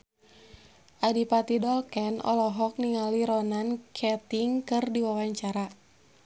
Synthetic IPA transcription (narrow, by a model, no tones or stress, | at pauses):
ʔadipat̪idɔlkɛnɔ̰lɔɦɔk̚niŋaliɾɔnankʰɛt̪iŋkɨrdiwawaɲt͡ʃaɾa